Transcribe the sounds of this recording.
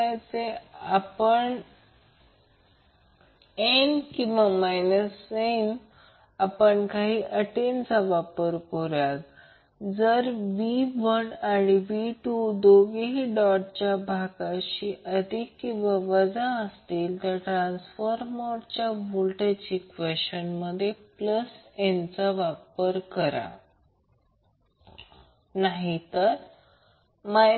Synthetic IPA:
ajt͡seapəɳ | enkĩʋamajnəsen | apəɳkaɦiːʔəʈent͡səʋapəɾkoɾjat̪ | d͡zəɾʋiʋənaɽiʋiʈud̪oɡiɦiɖɔʈ̚t͡ɕjabʱaɡaɕiːʔəd̪ʱikːĩw̃ʋaʋəd͡zaəst̪iːlt̪aɾʈɾãnsfəɾmɔɽt͡ɕjabulʈət͡ɕikʋəɕənməd̪ʱːjepləsent͡saʋapəɾkəɾa̰ | naɦit̪əɾ | ma

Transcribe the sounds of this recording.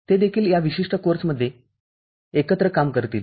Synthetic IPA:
t̪ed̪ekʰiːljaʋiɕiʂʈəkoɾsməd̪ʱːje | ekət̪ɾəkamkəɾt̪iːl

